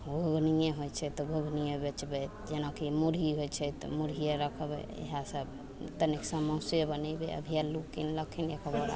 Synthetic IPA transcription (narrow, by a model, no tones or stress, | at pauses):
ɡʱuɡʱnijẽɦojt͡ʃʰɛt̪ɔɡʱuɡʱnijebet͡ʃbɛt̪d͡ʒenakimuɾiɦojt͡ʃʰɛt̪ɔ̰muɾijeɾəkʰbḛḛɦasəb | t̪əniksamə̃wsebənɛbḛə̰bʱijalukinləkʰinjekəboɾa̰